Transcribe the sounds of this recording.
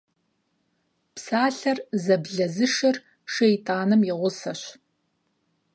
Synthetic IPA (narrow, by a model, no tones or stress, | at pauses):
psaːɬɐrzɐbɮɐzɨʂɐr | ʂejtʰʼaːnɨmjɪʁʷʊsɐɕ